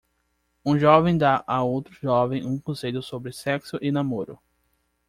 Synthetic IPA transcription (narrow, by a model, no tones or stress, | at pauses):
ũʒɔvẽj̃d̪aʔaowt̪ɾʊʒɔvẽj̃ũkõseʎʊsobɾɪsɛksʊʔɪnamoɾʊ̰